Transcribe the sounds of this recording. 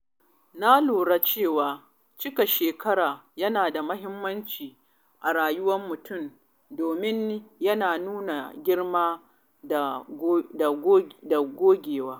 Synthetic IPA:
na˦luː˨ɽa˦t͡ʃeː˦˨waː˨ | t͡ʃɪ˦ka˨ʃeː˨kɐ˦ɽaː˨jɐ˦naː˨da˨mɐ˦ɦɪ˦mːɐ˦nt͡ʃiː˨ | ʔa˨ɽaː˨jʊ˦wɐ˦mːʊ˨tʰʊ˦˨m | doː˨mɪ˦n˦jɐ˦naː˨nuː˦na˨ɡʲɪ˦ɽmaː˦˨ | da˨ɡːda˨ɡʷoː˦ɡʲeː˨waː˦

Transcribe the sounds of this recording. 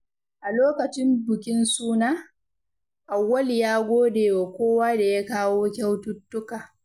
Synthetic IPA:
ʔa˨loː˦kɐ˨t͡ʃɪ˦mbʊ˨kʲɪ˦nsuː˦naː˦ | ʔa˨wːɐ˦ljaː˦ɡʷoː˦deː˨wa˨kʷoː˦waː˦da˨ja˦kaː˦woː˦kʲa˦wtʊ˦tːʊ˦kaː˨

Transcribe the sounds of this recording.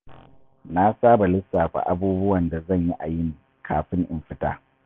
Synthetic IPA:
na˦saː˦ba˨lɪ˦sːaː˨ɸʷa̰˨ʔa˦buː˦bʊ˦wɐ˨nda˨zɐ˦˨ɲji˦ʔa˨jɪ˦ŋ | kʰaː˨ɸɪ˦ŋʔɪ˨mɸɪ˦ta̰ː˦

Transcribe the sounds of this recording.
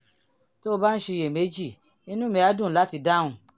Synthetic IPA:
to˦o˧ba˦n̩˦ʃe˧je˨me˨˦d͡ʒi˦˨ | i˦nũ˦mĩ˧˦a˨˦dũ˦˨la˨˦ti˧da˦ũ˧˨

